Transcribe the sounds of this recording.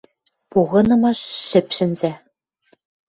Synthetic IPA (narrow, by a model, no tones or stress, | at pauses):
puɣɤ̆nɤ̆mɑ̆ʃːɘ̆pʃɘ̆nzʲĕ